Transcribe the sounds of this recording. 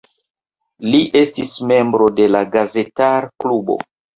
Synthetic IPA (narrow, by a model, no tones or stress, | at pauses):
liʔe̞stisme̞mbɾo̞de̞laɡaze̞taɾklubo̞̰